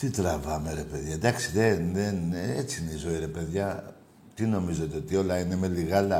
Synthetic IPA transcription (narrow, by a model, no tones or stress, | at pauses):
t̪it̪ɾɐvɐme̞ɾe̞pe̞ðʝɐd̪ɐksi̥ðeðenet͡si̥ineizo̞iɾe̞pe̞ðʝɐ | t̪ino̞mizot̪eot̪io̞lɐine̞me̞liɣɐlɐ